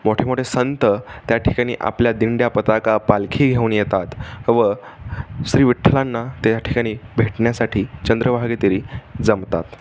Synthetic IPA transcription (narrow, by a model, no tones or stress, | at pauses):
moʈʰemoʈʰesənt̪ət̪jaʈʰi̥kaɽ̃ḭːʔa̰pljad̪iɳɖjapət̪akapalkʰiːɡʱeunijet̪at̪ʋə | ɕɾiːʋiʈʰlanːat̪aaʈʰi̥kaɽ̃iːbʱeʈɳjasaʈʰiːt͡ɕənd̪ɾəʋʱaɡet̪iɾiːd͡zəmt̪a̰t̪